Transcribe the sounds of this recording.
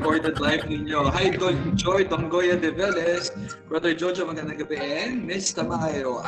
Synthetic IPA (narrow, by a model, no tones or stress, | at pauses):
poɹt̪ɛd̪lajfnɪɲjoɦajd̪od͡ʒojd̪oŋɡojɐd̪ɛvɛlɛs | b̥ɹad̪ɛɹd͡ʒɔd͡ʒɐmɐɡɐnd̪ɐŋɡɐbɛʔɛnmɪst̪ɐmajɾo